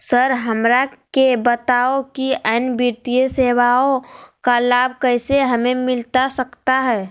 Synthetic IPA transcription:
səɾɦəmɾakebət̪aokiəːnbiɾt̪ijəseːwaõkalaːb̚ʱkəɪseɦəmemɪlt̪asəkt̪aɦɛː

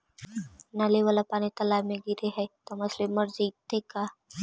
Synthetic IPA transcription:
naleʋalapaːnit̪ɐlaːmẽɡiɾeɦɛt̪ɐmɐslemɐɾziːt̪ekaː

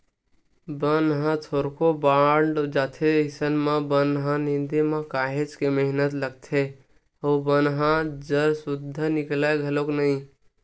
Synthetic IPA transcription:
bənɦãt̪ʰoɾkobaɳɖd͡ʒaːt̪ʰeisənmẽbənɦãnind̪imẽkaɦet͡ʃkeməɦnət̪ləɡ̚t̪ʰe | obənɦãd͡ʒəɾsud̪ʱːnɪklaɡʱəloknəĩ

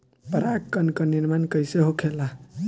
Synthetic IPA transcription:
pəɾakkːənkəniɾmankəjseɦokʰela

